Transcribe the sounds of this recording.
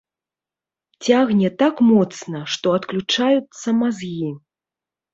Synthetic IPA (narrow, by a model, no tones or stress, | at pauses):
t͡sʲaɣnʲɛt̪akmɔt̪snɐʂt̪ɔɐt̪klʲut͡ʂajut̪sːɐmazji